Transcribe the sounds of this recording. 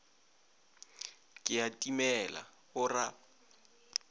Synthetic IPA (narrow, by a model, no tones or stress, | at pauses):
kʼɪatʼimɛla̰hʊra